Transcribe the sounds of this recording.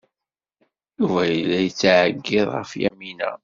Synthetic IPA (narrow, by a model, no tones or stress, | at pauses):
juvæjəlːæjət͡sːʕəɡːɪðˤʁəfjæmːinæ̰